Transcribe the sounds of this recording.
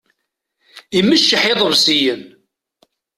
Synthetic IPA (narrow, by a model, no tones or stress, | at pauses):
iməʃːəħɪðˤəvsijən